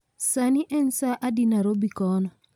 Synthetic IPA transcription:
saniʔɛnsaʔadinaɾobikɔnɔ

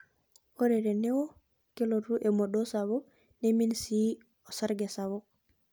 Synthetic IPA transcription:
oɾeɾenewo | keloɾuʔemoɗosaβo | neminsi | osaɾɡesaβo

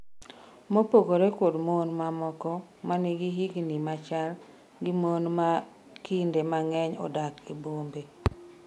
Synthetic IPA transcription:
mopoɡoɾekodmonmamɔkɔmaniɡiɦiɡnimat͡ʃal | ɡɪmonma | kɪndemaŋɛɲɔ̰dakibombe

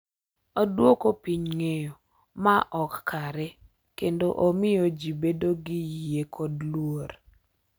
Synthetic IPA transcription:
odwokopiɲŋejo | maʔɔkkaɾɛ | kendoʔomɪjod͡ʒibedoɡɪjekʰɔdlwoɾ

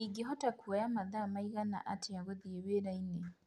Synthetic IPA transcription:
iɡeɦɔtakuajamaðaːmaiɣana̰ʔatʰeaɣoðieβeɾaine

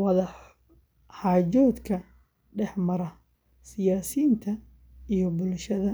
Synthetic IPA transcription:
wɑðɐħ | ħaːd͡ʒɔːd̪kʰɐ | ɖɛħmɐɾɐ | sɪjaːsiːnt̪ʰɐ | ijɔbʊlʃɐðɐ

